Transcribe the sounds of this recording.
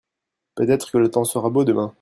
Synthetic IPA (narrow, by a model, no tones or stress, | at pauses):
pøt̪ɛt̪χə̥kələt̪ɑ̃səʁabod̪əmɛ̃